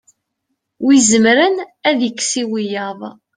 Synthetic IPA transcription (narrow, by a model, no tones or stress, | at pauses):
wizəmɾənæðikːsiwijɑðˤ